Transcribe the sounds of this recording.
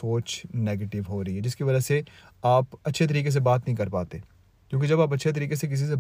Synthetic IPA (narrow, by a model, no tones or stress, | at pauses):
oːt͡ʃneːɡeːʈɪʋɦoːɾɐɦiɦɛd͡ʒɪskiʋɐd͡ʒəse | aːpɐtːʃʰet̪̬ɐɾiːkes̬ebaːt̪nɐɦĩkɐɾpaːt̪eː | kjõːk̬id͡ʒɐbaːp̬ɐtːʃʰet̪̬ɐɾiːkesek̬ɪs̬is̬e